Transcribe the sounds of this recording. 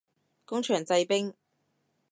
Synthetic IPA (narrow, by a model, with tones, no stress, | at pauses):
kʊ˥ŋt͡ʃʰœː˨˩ŋt͡sɐ˧jpɪ˥ŋ